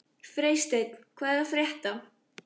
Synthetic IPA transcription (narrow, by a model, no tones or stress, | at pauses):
fɾeːjst̪ejt̪n̥kʰvaːðɛɾafɾjɛht̪a